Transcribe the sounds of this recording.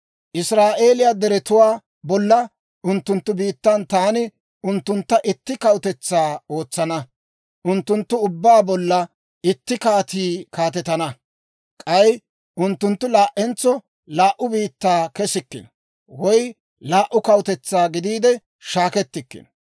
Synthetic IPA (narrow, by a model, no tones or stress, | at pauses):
ʔɪsɾaːʔe̞ːlɪjad̪ɛɾɛt̪ʊwaː | bɔlːɐ | ʔʊnt̪ːʊnt̪ːʊbiːt̪ːɐnt̪aːnɪ | ʊnt̪ːʊnt̪ːɐʔɪt̪ːɪkɐwt̪ɛt͡sːaːo̞ːt͡sːɐnɐ | ʔʊnt̪ːʊnt̪ːʊʊbːaːbɔlːɐ | ɪt̪ːɪkaːt̪iːkaːt̪̬ɛt̪ɐnɐ | kʼɐj | ʊnt̪ːʊnt̪ːʊlaːʔɛnt͡sːɔ | laːʔʊbiːt̪ːaːkɛsɪkːɪ̰n | wɔj | laːʔʊkɐwʊt̪ɛt͡sːaːɡɪd̪iːd̪ɛ | ʃaːkɛt̪ːɪkːɪ̰n